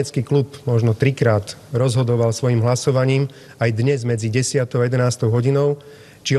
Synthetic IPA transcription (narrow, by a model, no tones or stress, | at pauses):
ɛt͡skiːklupmɔʒnɔt̪ɾikɾaːt̪ɾɔzɦɔd̪ɔʋalsʋɔjimɦlasɔʋaɲiːm | ajd̪ɲɛzmɛd͡ziɟɛsɪat̪ɔʊjɛd̪ɛnaːst̪ɔʊɦɔɟinɔʊ | t͡ʃi